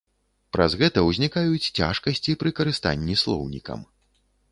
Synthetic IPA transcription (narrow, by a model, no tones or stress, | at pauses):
pɾɐ̰zɣɛt̪ɐwzʲnʲikajut͡sʲt͡sʲa̰ʂkɐsʲt͡sʲipɾɨkɐɾɨst̪a̰nʲːislˠɔ̰wnʲḭkɐ̰m